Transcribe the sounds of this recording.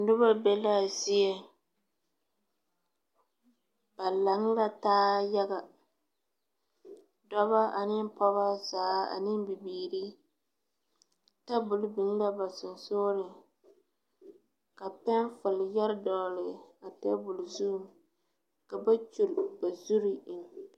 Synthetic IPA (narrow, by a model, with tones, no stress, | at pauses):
dʊ˦ba˦bɛ˦la˦˨zɪ˦ɛ˨ | ba˨la˨˦ŋ˦la˦taː˦ja˦ɡa˨ | dɔ˦βa˦ʔa˨nɪ˦m˦pɔ˦βa˦zaː˨˦a̰˨nɪ˦m˦bi˨biː˨ɾi˦ | ta˦bʊ˨lbɪ˨ŋ˦la˦ba˨sʊ˨nsoː˦lɪ˨ | ka˨pɛ˦nfʊ˨ljɛ˦ɾdɔː˨lɪ˨a˨tɛ˦bʊ˨lzu˦˨m | ka˨ba˦t͡ʃu˨lba˨zu˦ɾi˦ʔɪ˨n˨